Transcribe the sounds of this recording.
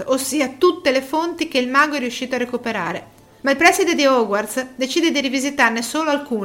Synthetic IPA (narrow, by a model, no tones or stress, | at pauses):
osːiːat̪ut̪ːelefont̪ik̟eilmaːɡoɛɾijuʃːiːt̪oarekupeɾaːɾe | mailpɾɛsid̪ed̪iɔɡwart̪sd̪et͡ʃiːd̪ed̪iɾivizit̪arnesoːloalkuː